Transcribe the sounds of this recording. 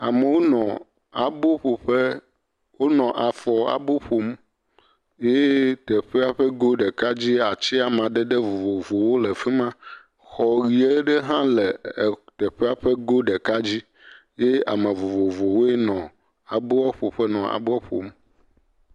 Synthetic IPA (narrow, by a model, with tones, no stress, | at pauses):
a˨me˨wo˦nɔ̃˨ | a˨bo˦ɸo˨ɸe˦ | wo˦nɔ̃˨ʔa˨fɔ˨a̰˨bo˦ɸo˨m | je˦t̪ɛ˨ɸe˦a˦ɸɛ˦ɡo˦ɖɛ˨ka˦d͡ʑi˦a˨t͡ɕi˦a˨m˨ã˨ɖɛ˦ɖe˦vo˨vo˨vo˨wo˦le˨fi˦mã˦ | xɔ˨ɣi˨e˦ɖe˦ɦã˦lɛ˨t̪ɛ˨ɸe˦a˦ɸe˦ɡo˦ɖɛ˨ka˦d͡ʑi˦ | je˦a̰˨mẽ˨vo˨vo˨vo˨wo˦e˦nɔ̃˨ | a˨bo˦ɔ˦ɸo˨ɸɛ˦nɔ̃˨ʔa̰˨bo˦ɔ˦ɸo̰˨m